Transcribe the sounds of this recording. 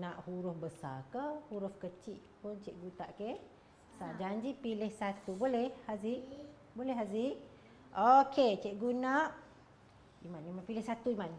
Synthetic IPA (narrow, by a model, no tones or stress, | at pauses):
naʔhuɾʊhbəsa̰kəhuɾʊfkət͡ʃiʔpʊnt͡ʃɛʔɡut̪aʔke | saʔd͡ʒaɲd͡ʒipilɪhsat̪ubolɛhhaziʔ | bolɛɦaziʔ | oket͡ʃɛʔ̚ɡunaʔ | imanimanpilɪhsat̪uiman